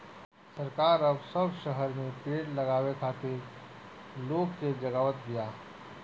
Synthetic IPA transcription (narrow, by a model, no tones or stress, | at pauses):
sɐɾkaːɾɐbsɐbʃəɦəɾmẽpeːʈlɐɡaːwekʰaːt̪e | loːɡsed͡ʒɐɡaːʋət̪̚d̪ijaː